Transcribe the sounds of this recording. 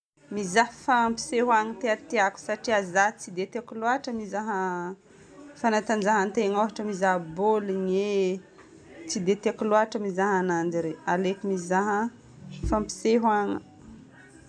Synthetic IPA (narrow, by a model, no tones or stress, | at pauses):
mizaɦfampi̥seɦwaŋət̪eat̪eaku̥saʈ͡ʂiazat͡sid̪et̪akuluaʈ͡ʂəmizaɦə | fanat̪and͡ʒaɦant̪eŋoɦaʈ͡ʂəmizaɦboliɲe | t͡sid̪et̪eakuluaʈ͡ʂəmizaɦanand͡ʒiɾewalekumizaɦə | fampi̥seɦwaŋə